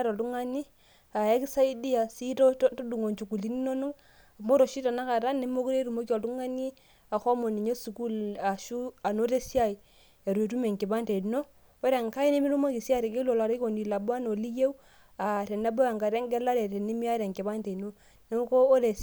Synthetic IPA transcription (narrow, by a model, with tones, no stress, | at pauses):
ɾo˨tu˦ŋa˦ni˦ | a˨e˦ki˦sa˦i˦di˦ja˨si˦ɾo˦to˦du˨ŋo˨nt͡ʃu˨ku˨li˦ni˦no˦nu˦ | a˨mo˦ɾo˨ʃi˦ta˨na˦ka˨ɾa˦ne˦mo˦ku˦ɾe˦ɾu˨mo˦ki˦o˨tu˦ŋa˦ni˦ | a˨xo˦mo˨ni˨ɲo˦su˨ku˦la˨ʃu˦a˨no˦ɾe˦si˦a˦i˨ | e˨ɾe˨tu˦me˨ŋki˨ba˦nte˨no˦ | o˦ɾe˨ŋka˦i˦ne˦mi˦ɾu˦mo˦ki˨si˦a˦ɾe˨ki˦lo˨la˨ɾo˨ni˨la˨bo˦a˦no˨li˦je˦w | a˨ɾe˨na˦bo˦ja˨ŋka˨ɾe˦ŋɡɛ˦la˦ɾe˨ɾe˨ni˦mi˦a˦ɾe˨ŋki˨ba˦nte˨no˦ | ne˦ko˦o˦ɾe˨